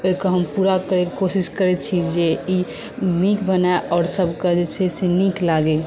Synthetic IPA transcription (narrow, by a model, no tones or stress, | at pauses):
oikɔɦəmpuɾakəɾekosiskəɾɛt̚t͡ʃʰid͡ʒei | nikbənaeʔɔɾsəbʱkəd͡ʒeseseniklaɡe